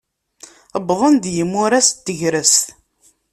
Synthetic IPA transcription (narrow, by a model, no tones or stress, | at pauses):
əbðˤənd̪jəmːʊɾæst̪ːəʝɾəst̪